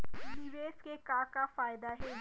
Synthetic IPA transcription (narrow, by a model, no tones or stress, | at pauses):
liʋeːskekãːkafaːɪd̪aɦɛ